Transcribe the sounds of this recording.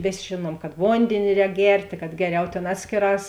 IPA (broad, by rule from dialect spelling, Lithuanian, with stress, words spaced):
ˈʋʲeːsʲ ˈʒʲeːˌnuɔm kɐt ˈʋoːnʲdʲeːnʲɪ ˈrʲɛːk ˈɡʲɛrʲtʲeː kɐt ˈɡʲæːˌrʲɛʊ ˈtʲeːn ˈɑːtʲsʲkʲeːˌrɑːs